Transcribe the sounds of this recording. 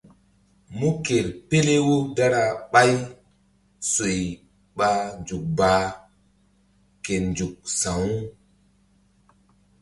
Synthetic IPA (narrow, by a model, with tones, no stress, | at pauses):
mu˦ke˨ɾpe˦le˦wo˦da˦ɾa˨ɓa˦j | so˨j | ɓa˨˦nd͡ʒu˨k̚baː˨ | ke˨nd͡ʒu˨k̚sã˨wu˦